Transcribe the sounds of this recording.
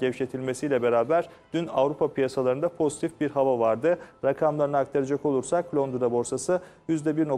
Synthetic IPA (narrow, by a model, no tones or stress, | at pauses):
ɟɛvʃet̪ʰilʲme̞sijlʲɛbe̞ɾaːbæɾ̥ | d̪̥ynavɾupʰapʰijasalˠaɾɯnd̪apʰo̞zit̪ʰifbiɾɦavavaɾd̪ɯɾakʰamlˠaɾɯnɯakt̪ʰaɾad͡ʒako̞lˠuɾsakʰːlʲond̪uɾabo̞ɾsasɯ | jyzd̪ɛbiɾno̞